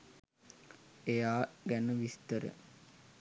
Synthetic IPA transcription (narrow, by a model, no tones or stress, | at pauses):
ejaːɡænəʋist̪əɾə̰